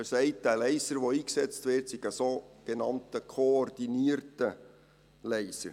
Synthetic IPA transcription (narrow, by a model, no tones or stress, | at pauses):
əsɛɪt̚d̥ælɛɪsəɾʋoiːksɛt͡stvʋɪrtsiɡ̥əsoːɡ̥enɑntəkʰoːrd̥iniəɾtə | lɛɪsəɾ